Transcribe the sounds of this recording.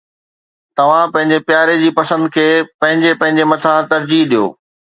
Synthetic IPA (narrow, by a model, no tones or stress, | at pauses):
t̪ɐʋ̤ãpɐ̃ɦɪ̃ɲd͡ʑepjaːɾed͡ʑiːpɐsə̃nd̪̚kʰeːpɐ̃ɦɪ̃ɲd͡ʑepɐ̃ɦɪ̃ɲd͡ʑemɐt̪ʰãt̪ɐɾd͡ʑiɦɗijo̰ː